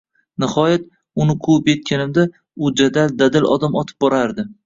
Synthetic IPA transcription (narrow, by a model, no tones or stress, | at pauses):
nɪhɒjat̪̚ | ʊnɪqʰuɪpje̞t̪̚kʲʰanɪmd̪a | ʊd͡ʒad̪ald̪ad̪ɪlʔɒ̰d̪amɒt̪ʰɪ̥p̚bɒɾaɾd̪ɪ